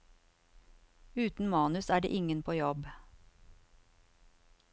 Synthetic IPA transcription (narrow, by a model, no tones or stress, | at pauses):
ʉːt̪n̩mɑːnʉsæːɖḛːʔɪŋənpʰoːjɔb